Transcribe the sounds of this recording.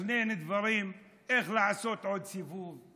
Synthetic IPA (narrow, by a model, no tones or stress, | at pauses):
nened̪vaʁim | e̞χlaʕaso̞t̪ʕo̞d̪̚sivuv